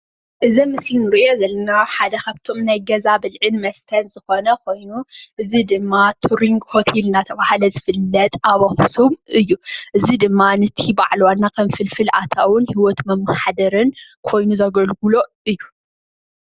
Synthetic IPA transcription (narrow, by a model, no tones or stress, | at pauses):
ʔɨzimɨslinɨɾiʔo̞zɐlːɐnaħad̪ɐkʰaβt̪ʰo̞mnajɡɐzabɨlʕɨnmɐst̪ʰɐnzɨxo̞nɐkʰo̞jnuʔɨzid̪ɨmːat̪ʰuɾiŋɡhot̪ʰelɨnat̪ʰɐβahlɐzɨfɨlːɐt̪ʼaβɐxsumɨjːuʔɨzid̪ɨmːanɨt̪ʰibaʕlwanːakʰɐmfɨlfɨlʔa̰t̪ʰawʊnhiwɔt̪mɐmːaħad̪ɐɾɨnkʰo̞jnuzɐɡɐlɡulo̞ʔɨjːu